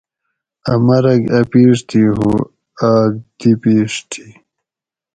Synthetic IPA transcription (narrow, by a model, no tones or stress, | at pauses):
ɐmɐɾɐɡɐpiːʂt̪ʰiɦu | aːɡ̚d̪̥ipiːʂt̪ʰi̥